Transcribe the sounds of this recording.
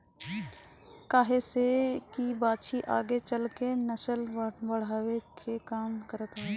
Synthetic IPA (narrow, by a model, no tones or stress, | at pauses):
kaːɦesekibaːd̪ʃiʔa̰ːɡet͡ʃəlkenəsəlbəɽ̤aːwekʰekaːmkəɾət̪ɦo